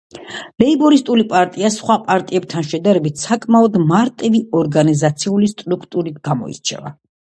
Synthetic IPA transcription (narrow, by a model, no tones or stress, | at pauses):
lɛibɔɾist̪ʼulipʼaɾt̪ʼiasχwapʼaɾt̪ʼiɛb̚t̪ʰanʃɛd̪aɾɛbit̪ʰsakʼmaɔd̪maɾt̪ʼiviɔɾɡanizat̪sʰiulist̪ʼɾukʰt̪ʼuɾit̪ɡamɔ̰ḭɾt͡ʃʰɛ̰va̰